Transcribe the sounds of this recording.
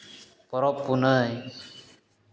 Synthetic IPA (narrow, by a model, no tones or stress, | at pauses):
pɔɾɔpːunəj